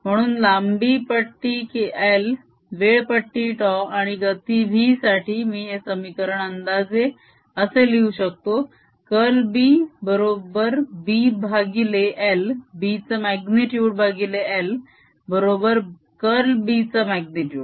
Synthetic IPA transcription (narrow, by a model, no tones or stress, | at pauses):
m̤əɽ̃uːnlambipəʈːiːkiʔel | ʋeɭpəʈːiːʈɔaɽ̃iɡət̪iʋʱiːsaʈʰiːmiːesəmikəɾəɳ̃ənd̪ad͡ze | əseliuɕək̚t̪o | kəlbiːbəɾobəɾbibʱaɡileʔelbit͡səmæɡniʈjuːɽ̚bʱaɡileel | bəɾobəɾ | kəlbit͡səmæɡniʈjuːɖ